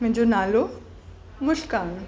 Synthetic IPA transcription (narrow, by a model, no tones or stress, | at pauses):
mẽd͡ʒonaːlo | mʊʃkaːmẽ